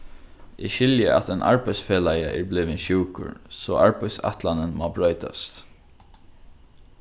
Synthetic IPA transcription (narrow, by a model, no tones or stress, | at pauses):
ʔɪʃɪljəʔa̰t̪ɛnʔa̰ɹpaɪsfeːlajaʔɛɹblɪːʋɪnʃuːkʊ̰ɹsɔːʔaɹpaɪsa̰ht̪lanənmabɾœʏt̪a̰st̪